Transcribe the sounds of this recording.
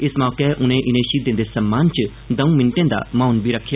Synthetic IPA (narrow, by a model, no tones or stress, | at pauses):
ɪsmɔːkɛːʔʊnẽːʔɪnẽːʃiːd̪ɪ̃nd̪eːsəmːaːnt͡ʃ | d̪ə̃ũːmɪ̃ɳʈẽːd̪a̰ːmaːnbiːɾəkʰːjaː